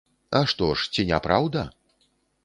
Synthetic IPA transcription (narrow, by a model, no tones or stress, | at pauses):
ɐʂt̪ɔʂt͡sʲinʲapɾawd̪ɐ